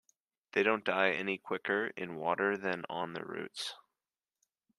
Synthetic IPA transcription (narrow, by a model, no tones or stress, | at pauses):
ðeɪɾõʊ̃nd̥aɪɛnikʰw̥ɪkə˞ɪ̰̃nwɔɾə˞ðɨ̃nə̃nðɨ̰ɹʉ̰ts